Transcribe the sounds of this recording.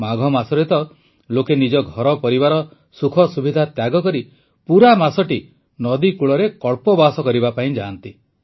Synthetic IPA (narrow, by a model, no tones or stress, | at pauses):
maɡʱɔmasɔɾet̪ɔ | lokenid͡ʒɔɡʱɔɾɔpɔɾibaɾɔ | sukʰɔsubʱid̪ʱat̪jaɡɔkɔɾi | puɾamasɔʈi | nɔd̪ikuɭɔɾekɔɭpɔbasɔkɔɾibapaĩd͡ʒant̪i